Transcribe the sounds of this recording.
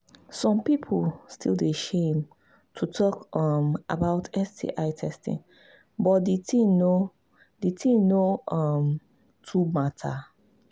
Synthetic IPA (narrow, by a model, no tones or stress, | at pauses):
sɔ̃mpipʰostʰḭlˠdeʃẽm | tʰutʰɔkʌmʔa̰baʊtʰɛstʰḭʔaɪtʰɛstḭ̃ŋ | bɔt̚ditĩno | ditʰĩnoʔʌm | tʰumatʰa